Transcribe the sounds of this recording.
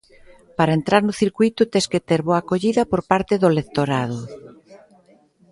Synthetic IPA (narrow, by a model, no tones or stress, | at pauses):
paɾaent̪ɾaɾnʊθiɾkwujt̪ʊt̪esket̪eɾβoakoʎiðɐpoɾpaɾt̪eðolek̚t̪oɾað̞ʊ